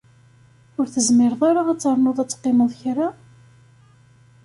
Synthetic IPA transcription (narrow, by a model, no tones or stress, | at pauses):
ʊɾθəzmɪɾðˤaɾaʁæt͡sːɑɾˤnʊðˤæt͡sːqːɪməðˤçɾa